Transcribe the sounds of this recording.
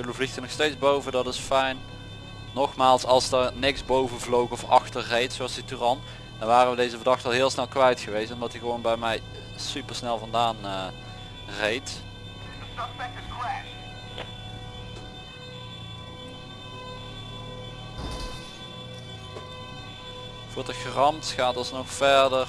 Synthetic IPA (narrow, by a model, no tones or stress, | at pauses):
əlovlixtənɔxstejzbowvədɑtɪsfɛjn | nɔχmaːlˠsɑlˠsdəɹnɪksbowvənvlowɣɔfɑ̰xtəɹrejtsowɑlsdityrɑn | d̥ɑnʋaːrəʋədejzəvəɹdɑxtəɑlˠɦɪːlˠsnɛlˠkʋɛjtxəʋejstɔmdɑtiɣəʋownbɛjmɛj | sypəɹsnɛlˠvɑndaːnə | rejt | dtbɛnkəkwɛ | v̥ʊːɹdəxrɑmtxaːtɑsnɔxfɛɹdər